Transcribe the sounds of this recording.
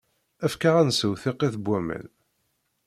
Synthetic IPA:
æfkaʁænsəwθiqːiθəbʷːæmə̰n

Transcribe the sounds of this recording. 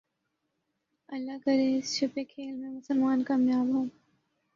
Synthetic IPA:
ɐlːaːkɐɾeːsʃʊpeːkʰeːlmẽːmʊsəlmaːnkaːmjaːbɦõː

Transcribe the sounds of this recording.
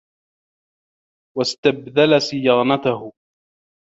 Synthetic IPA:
wast̪abðalasɪjaːnat̪ahʊ

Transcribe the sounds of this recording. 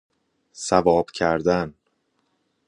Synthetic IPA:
sævɒːb̥cʰæɾd̪æn

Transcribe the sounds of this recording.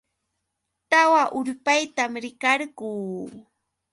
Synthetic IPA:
t̪awaʔʊʎpajt̪amɾɪkɑɾɢuː

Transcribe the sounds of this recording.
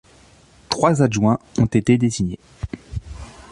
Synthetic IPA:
t̪χwazaʒwɛ̃ɔ̃t̪et̪ed̪ezinje

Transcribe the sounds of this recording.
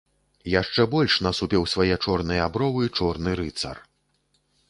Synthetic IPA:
jaʂt͡ʂɛbɔlʲʂnɐsupʲɛwsvajɛt͡ʂɔrnɨjɐabɾɔvɨit͡ʂɔrnɨɾɨt̪sɐ̰r

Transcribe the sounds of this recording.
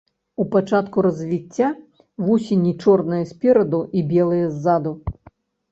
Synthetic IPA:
upat͡ʂat̪kuɾɐzʲvʲit͡sʲːa | vusʲinʲit͡ʂɔrnɐjɐsʲpʲɛɾɐd̪uʔibʲɛlˠɨjɐzːad̪u

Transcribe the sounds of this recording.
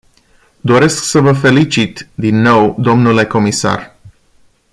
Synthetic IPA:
d̪o̞ɾe̞sksəvəfe̞lit͡ʃit̪d̪inːo̞wd̪o̞mnule̞ko̞misa̰r

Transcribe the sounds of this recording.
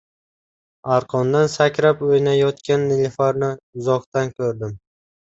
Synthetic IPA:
aɾqʰɒnd̪ansakʲɾapɵjnajɒt̪kʲʰanːɪlʲɪfaɾnɪʊzɒqt̪ankʲʰɵɾd̪ɪm

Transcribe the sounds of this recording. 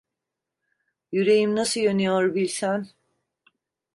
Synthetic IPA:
jyɾe̞jimnasɯjønyjoɾbilʲsæn

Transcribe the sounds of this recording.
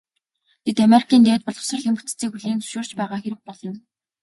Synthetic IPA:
t̪ʰet̪ameɾi̥kʰiːnt̪eːt̪̚pɔɮʁɞ̥̆sə̆rxemu̥t͡st͡siːkxuɮiːnt͡sɵ̥ʃoːr̥t͡ɕpæːʁaːxeɾɘ̆k̚pɔɮɞ̆n

